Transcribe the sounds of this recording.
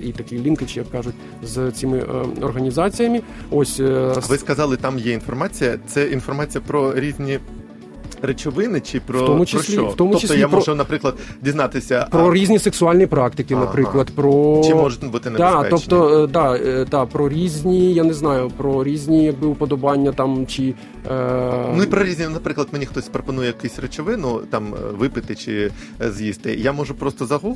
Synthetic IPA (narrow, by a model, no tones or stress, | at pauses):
it̪ɐkʲilʲinkɪt͡ʃɪjɐkːɑʒʊtʲ | zt͡sʲimɪʔɔrɦɐnʲizɑt͡sʲijɐmɪ | ɔsʲʋɪskɐzɑlˠɪt̪ɑmjɛinfɔrmɑt͡sʲijɐt̪sɛinfɔrmɑt͡sʲijɐpɾɔɾʲizʲnʲi | ret͡ʃɔʋɪnɪt͡ʃɪpɾɔtɔmʊt͡ʃɪlʲiɔft̪ɔmʊɔt͡ʃɪst̪ljamʒʊnɐpɾɪklˠɐd̪dʲiznɑt̪ɪsʲɐpɾɔɾʲizʲnʲiseksʊɑlʲnʲipɾɑkt̪ɪkɪnɐpɾɪklˠɐd̪pɾɔt͡ʃmɔʒʊt̪ʲbut̪ɪnd̪ɑɛɔnɔd̪ɑd̪ɑpɾɔɾʲizʲnʲijanɛznɑjʊpɾɔɾʲizʲnʲijɐɡ̚bɪʊpɔd̪ɔbɑnʲːɐt̪ɑmt͡ʃi | nʊipɾɔɾʲizʲnʲinɐpɾɪklˠɐd̪menʲixt̪ɔsʲpɾɔpɔnujɛjkɛsʲret͡ʃɔʋɪnʊt̪ɑmʋɪpɪt̪ɪt͡ʃɪ̰ | zʲjʲist̪ɪjamɔʒʊpɾɔst̪ɔzɐɦu